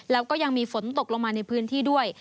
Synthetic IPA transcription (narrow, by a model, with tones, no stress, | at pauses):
lɛː˦˥wkɔː˥˩ja˧ŋmiː˧fo˩˦nt̪o˨˩k̚lo˧ŋmaː˧na˧jpʰɯː˦˥nt̪ʰiː˥˩du˥˩əj